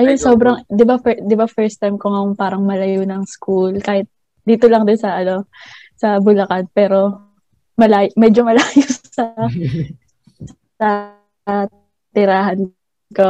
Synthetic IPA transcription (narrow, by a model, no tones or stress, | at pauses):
ʔɐjonsoːbɾɐŋd̪ɪbafɛd̪ɪbafɛɹst̪ajmkoŋɐjoŋpaːɾɐŋmɐlɐjonɐŋskulkaːhɪt̪̚ | d̪iːt̪olɐŋd̪onsɐʔɐno̞ | sɐbʊlɐkanpɛːɾo̞ | mɐlaːjmɛːd͡ʒomɐlaːjʊs | ɐ | sɐ | t̪ɪɾaːɦɐn | ko